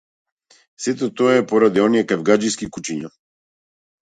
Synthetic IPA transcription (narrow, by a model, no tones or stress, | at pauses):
sɛt̪ɔt̪ɔɛpɔɾad̪iɔnijɛkavɡad͡ʒiskikut͡ʃiɲa